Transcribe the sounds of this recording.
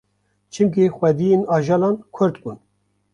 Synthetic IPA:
t͡ʃʰɨmkixʷɛd̪ijenɑːʒɑːlɑːnkʰʊɾt̪buːn

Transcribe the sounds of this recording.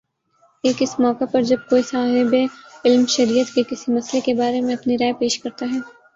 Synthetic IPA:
eːkɪsmɔːkapɐɾd͡ʒɐb̚koːisaːɦɪbeɪlmʃɐɾiːət̪kekɪsimɐslekebaːɾemẽɐpniɾaːepeːʃkɐɾt̪aɦɛː

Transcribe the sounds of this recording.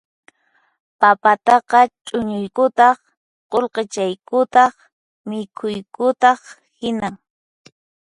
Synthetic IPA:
papat̪ɑqɑt͡ʃʼʊɲʊjkʊt̪ɑχ | qolqet͡ʃajkʊt̪ɑχ | mɪkʰʊjkʊt̪ɑχ | hɪnaŋ

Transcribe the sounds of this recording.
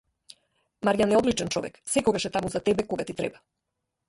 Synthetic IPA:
maɾjanɛɔd̪lit͡ʃɛnt͡ʃɔ̰vɛ̰ksɛkɔɡaʃɛt̪amuzat̪ɛbɛkɔɡat̪it̪ɾɛ̰ba

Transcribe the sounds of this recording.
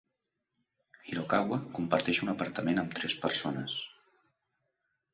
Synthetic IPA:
xiɾokaɣwəkumpəɾt̪ɛʃunəpəɾt̪əmenəmt̪ɾɛspəɾsonəs

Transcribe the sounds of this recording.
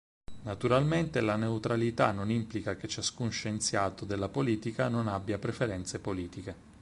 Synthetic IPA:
nat̪uɾalment̪elaneut̪ɾalit̪anːonimplikak̟et͡ʃːaskunʃent̪sjaːt̪od̪elːapoliːt̪ikanonabːjapɾefeɾɛnt̪sepoliːt̪ike

